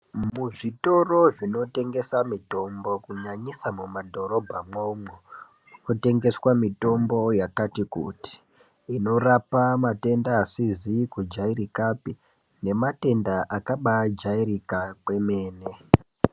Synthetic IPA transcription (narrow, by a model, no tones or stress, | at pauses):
muʐito̞ro̞ʐino̞te̞ŋɡe̞samito̞mbo̞kuɲaɲisamumadʱo̞ɾo̞bʱamomo | ino̞te̞ŋɡe̞swamito̞mbo̞jakatikṵti̥ | ino̞rapamate̞ndaːsizikud͡ʒairikapi | ne̞mate̞ndaʔakaɓad͡ʒaiɾikakwe̞me̞ːne